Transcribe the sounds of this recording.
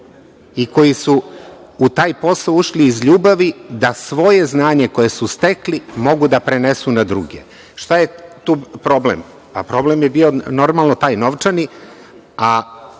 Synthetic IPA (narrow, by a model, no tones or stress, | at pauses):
iko̞jisuː | t̪aːjpo̞saouʃliːzʎuːbaʋid̪asʋo̞jeznaːɲe̞ko̞je̞sust̪e̞klimo̞ɡud̪apɾene̞sunad̪ɾṵɡḛ | ʃt̪ajet̪uːpɾo̞blḛm | papɾo̞blemjebiːo̞no̞ɾmalˠnot̪aːjnoʋt͡ʂani | a